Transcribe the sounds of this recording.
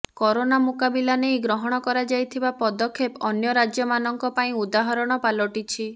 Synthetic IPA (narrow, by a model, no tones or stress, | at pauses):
kɔɾonamukabilanejɡɾɔɦɔɽ̃ɔkɔɾad͡ʒajt̪ʰibapɔd̪ɔkʰːepɔnjɔɾad͡ʒjɔmanɔŋkɔpaĩud̪aɦɔɾɔɽ̃ɔpalɔʈit͡ʃʰi